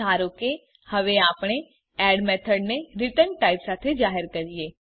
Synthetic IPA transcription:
aːɾoke | hɐʋeaːpɽ̃e | ɛːɖmɛːt̪ʰəɖneɾɪʈənʈaːɪpsaːt̪ʰed͡ʒaːɦəɾkəɾijeː

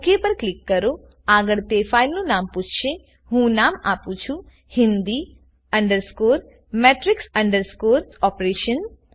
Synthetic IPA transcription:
kepəɾklɪkːəɾo | aɡəɭt̪efailnũnamput͡ʃʰʃe | ɦũnamapũt͡ʃʰũ | hɪnd̪i | əɳɖəɾskoːɾ | meʈɾɪksəɳɖəɾskoːɾɔpɾeʃən

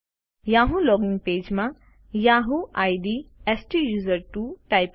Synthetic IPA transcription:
jaɦũlɔːɡiŋɡ̚peːd͡ʒmã | jaːɦũʔajɖiesʈijuːzəɾʈuʈajp

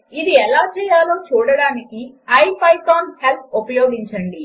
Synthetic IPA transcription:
id̪iɛlaːt͡ʃɛːjaːloːt͡ʃuːɽɐɽaːniki | ɐjpɐjkaːnhelp̪̚ʰupɐjoːɡiɲt͡ʃɐɳɖi

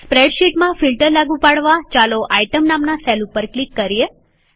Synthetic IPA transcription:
spɾeɖʃiʈmãfilʈəɾlaɡũpaɽʋat͡ʃaloʔajʈəmnamnasɛlupəɾklikːəɾje

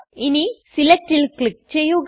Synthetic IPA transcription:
inisilek̚ʈilkɭik̚t͡ɕejːuɣ

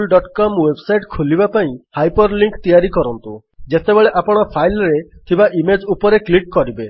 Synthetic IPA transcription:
lɖɔʈkɔmwebsajʈkʰulibapaĩhajpɔɾliŋkt̪ijaɾikɔɾɔnt̪u | d͡ʒet̪ebeɭeʔapɔɽ̃ɔpʰajlɾet̪ʰibaʔimed͡ʒupɔɾekliʈkɔɾibe

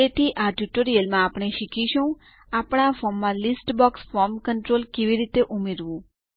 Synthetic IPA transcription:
et̪ʰiʔaʈuʈoɾijəlmãːpɽ̃eʃikʰiʃũ | apɽ̃afɔmːãlisʈbɔksfɔɾmkəɳʈɾolkeʋiɾit̪eʔumeɾʋũ

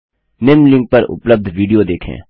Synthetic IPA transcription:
nɪmlɪ̃ŋɡ̚pɐɾʊ̰pləb̚d̪ʱʋiːɖijod̪eːkʰḛ̃ː

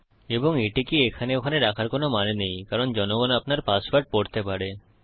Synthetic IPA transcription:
eboŋeʈikiekʰaneokʰaneɾakʰaɾkonomanenejkaɾond͡ʑɔnoɡanapnaɾpasbaʈ̚poɾt̪epaɾe

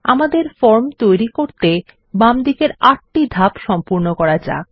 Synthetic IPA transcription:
a̰mad̪eɾfɔɾmt̪ojɾikoɾt̪e | bamd̪ikeɾaʈʈid̪ʱapʃɔmpuɾnokɔɾad͡ʑa̰

